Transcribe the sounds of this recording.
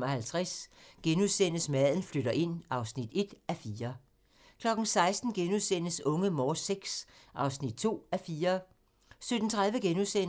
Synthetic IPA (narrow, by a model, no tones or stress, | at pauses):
mɐhælt͡sʰʁasɡ̥enuðˠsen̰əsmæðˠn̩fløɾ̥ɐʔe̝n̰ɑ̈ʊsnid̥e̝d̥æfiːɐ | kʰlɒ̽ɡ̥n̩sɑ̈ɪsd̥n̩ɡ̥enuðˠsen̰əsɔ̽ŋəmɒːseɡ̥sʔɑ̈ʊsnid̥̚t͡sʰo̝̰ːæfiːɐ | sød̥n̩t͡sʰʁäðˠʋəɡ̥enusen̰